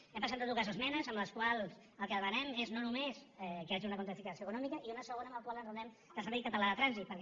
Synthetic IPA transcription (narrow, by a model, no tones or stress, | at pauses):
ɛmpəz̬enat̪ukazəzmɛnəzəmbləskwalˠz | əlˠkəðβənɛmeznonumezɛkəaʒiunəkwunt̪ifikasioəkunɔmikəʔiunəsəɣonəməlˠkwalənzəɛm | d̪̥əsəɾβikat̪alaðət̪ɾanzit̪̚pəɾk